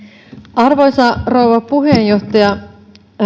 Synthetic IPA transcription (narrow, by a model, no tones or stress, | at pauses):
ʔɑrʋojsɑrouwʋɑpuɦejjo̞ht̪ɑjɑ